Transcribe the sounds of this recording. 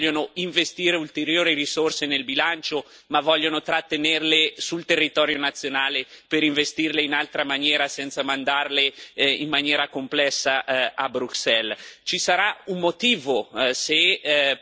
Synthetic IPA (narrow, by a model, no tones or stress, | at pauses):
onoiɱvest̪iːɾeult̪eɾjoːɾiɾisorsenelbilant͡ʃo | mavɔʎːonot̪ɾat̪ːenerlesult̪erːit̪ɔːɾjonat̪sːjonaːlepeɾiɱvest̪irleinalt̪ɾamanjɛːɾasɛnt̪samand̪arleimːanjɛːɾakomplɛsːaabɾuksɛlt͡ʃisaɾaumːot̪iːvose